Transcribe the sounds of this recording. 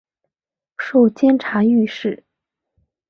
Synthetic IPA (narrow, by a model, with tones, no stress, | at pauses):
ʂo˥˩ʊt͡ɕjɛ˥nʈ͡ʂʰa˧˥y˥˧ʂɻ̩˥˩